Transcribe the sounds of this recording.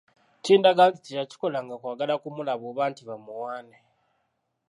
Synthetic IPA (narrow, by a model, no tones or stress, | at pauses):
ciːndaɡaːnticitaci̥ko̞laŋɡakwaːɡalakumulaβoβaːntiβamuwaːne